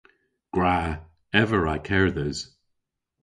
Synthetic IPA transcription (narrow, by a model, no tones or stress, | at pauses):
ɡ̥ɹa | ɛvəɹaɪkʰɛɹðɪz̥